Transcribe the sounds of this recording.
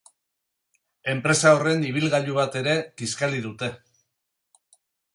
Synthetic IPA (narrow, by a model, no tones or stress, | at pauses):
e̞mpɾe̞sao̞re̞niβ̞ilɣaʎuβat̪e̞ɾe̞kiskaliðut̪e̞